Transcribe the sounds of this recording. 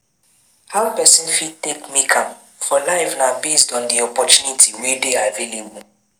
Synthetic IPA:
haʊpɛsĩnfid̚tekmikʰãm | fɔlaɪvnabestɔ̃ndiɔpɔt͡ʃunitʰiwedeavilĩnbũ

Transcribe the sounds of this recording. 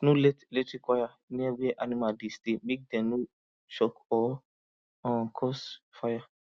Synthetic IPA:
nuletletikɔjaniabiɛʔanimadistibiɡ̚dɛ̃nu | ʃɔkɔ | ɔ̃kʰɔsfaja

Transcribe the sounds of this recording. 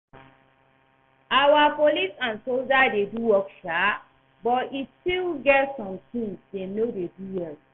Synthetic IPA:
awapolisãnsold͡ʒadeduwɔkʃa | bɔtistilɡɛtsɔ̃mtĩŋsdenodeduwɛt

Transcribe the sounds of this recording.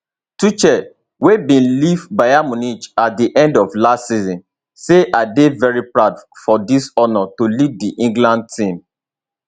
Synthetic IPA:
tut͡ʃɛ | webĩnlivbajamɔnit͡ʃat̚diʔɛ̃ndɔvlastsizɔ̃n | seʔaɪdevɛɹipɹaʊdfɔdisɔnɔtolivdiʔĩŋɡlãnd̚tʰĩm

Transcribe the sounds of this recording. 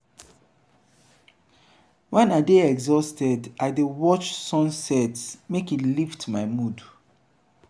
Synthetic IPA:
wɛ̃nadeɛɡzɔstɛdaɪdewɔt͡ʃsɔ̃nsɛtsmekiliftmaɪmud

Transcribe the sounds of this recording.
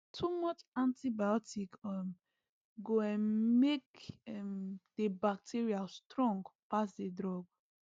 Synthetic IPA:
tʰumɔt͡ʃãntibaɔtikɔm | ɡoɛmmek̚ɛmd̥ebak̚tʰiɹiastɹɔ̃ŋɡpasdedɹɔɡ

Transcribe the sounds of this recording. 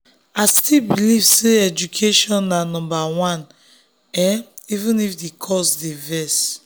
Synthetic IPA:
astilbilivseɛd͡ʒukʰeʃɔ̃nːanɔ̃mbawãn | ɛivũnifdekʰɔsdevɛs

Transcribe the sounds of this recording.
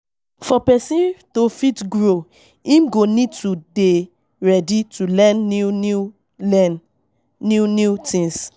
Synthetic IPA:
fɔpɛsĩntofitɡɹo | ĩmɡonid̚tude | ɹɛditulɛnː | unutĩŋs

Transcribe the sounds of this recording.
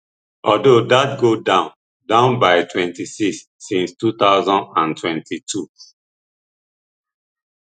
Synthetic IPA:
ʔɔdodat̚ɡodãʊ̃n | dãʊ̃nbaɪtʰwɛ̃ntisiksːĩnstut̪aʊzɔ̃ndãntʰwɛ̃ntʰitʰu

